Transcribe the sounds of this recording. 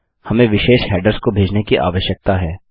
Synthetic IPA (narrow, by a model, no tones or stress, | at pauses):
hɐmẽʋɪʃeːʃɦɛːɖəɾskobʱeːd͡ʒnekiʔa̰ːʋəʃjək̚t̪aɦɛː